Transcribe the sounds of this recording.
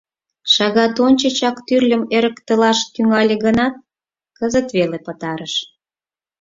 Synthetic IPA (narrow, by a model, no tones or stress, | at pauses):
ʃɑɣɑt̪onʲt͡ɕət͡ɕɑkt̪yrlʲəmeɾəkt̪əlɑʃt̪yŋɑlʲeɣənɑt̪̚ | kəzət̪βelepət̪ɑɾəʃ